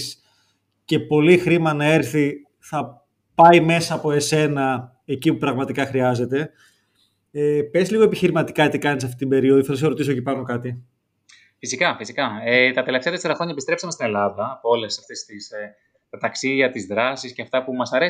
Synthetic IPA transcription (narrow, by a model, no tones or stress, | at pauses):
s | ce̞po̞lixɾimɐnɐe̞ɾθi | θɐ | pɐime̞sɐːpo̞e̞se̞nɐ | e̞cipupɾɐɣmɐt̪ikɐxɾiɐze̞t̪e̞ | epe̞zliɣo̞e̞piçiɾimɐt̪i̥kɐet̪ikɐnisɐft̪it̪ibe̞ɾio̞ðuiθeloseɾo̞t̪isocipɐno̞kɐt̪i | fisikɐfisikɐet̪ɐt̪e̞left̪eɐt̪eseɾɐxɾo̞ɲɐepist̪ɾepsɐmest̪ine̞lɐðɐːpoolesɐft̪est̪is | t̪ɐt̪ɐksiðiɐt̪izðɾɐsisceɐft̪ɐpumɐsɐɾe